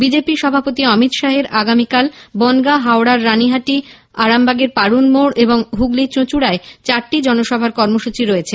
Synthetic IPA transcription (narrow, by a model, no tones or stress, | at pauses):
bid͡ʑepiʃɔbʱapot̪iɔmit̪ʃaɦeɾaɡamikalbɔnɡaɦaoɽaɾːaniɦaʈi | aɾambaɡeɾpaɽunmoɽeboŋɦuɡlit͡ɕot͡ɕuɽaet͡ɕaɾʈid͡ʑɔnoʃɔbʱaɾkɔɾmoʃut͡ɕiɾoet͡ɕʰe